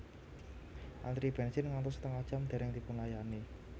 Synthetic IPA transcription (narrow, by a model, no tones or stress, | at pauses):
ʔa̰nd̪ɾib̥ɛnsɪnŋant̪ʊst̪əŋḁʒ̥amd̪̥e̤ɾɛŋt̪ipʊnlajane